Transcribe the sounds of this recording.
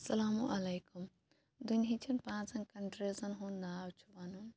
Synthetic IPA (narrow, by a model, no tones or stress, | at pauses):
sɐlaːmuʔɐlɐjkum | d̪unɦit͡ʃʰinpãːt͡sɐnkɐɳʈɾeːzɐnɦũnaːwt͡ʃʰubɐnum